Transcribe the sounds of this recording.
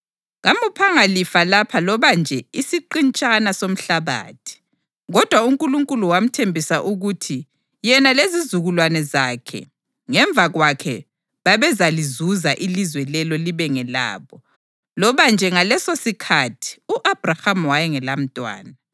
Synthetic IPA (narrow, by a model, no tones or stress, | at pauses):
ɣamupʰaŋalifalapʰalɔβand͡ʒʱɛisiǃint͡ʃʼanasom̩ɬaβa̰ːtʰi̥ | ɣɔd̥ʱwauŋkʼuluŋkʼuluwam̩tʰembʱisaʔuɣutʰi | jɛnalezizuɣulwanɛzakʰɛ̰ | ŋɛɱvʱaɣwakʰɛ | βaβɛzalizuzaʔilizwɛlɛlɔliβɛŋɛla̰ːβɔ | lɔβand͡ʒʱɛŋalɛsosikʰatʰi̥uʔab̥rahamwajɛŋɛlam̩tʼwa̰ːna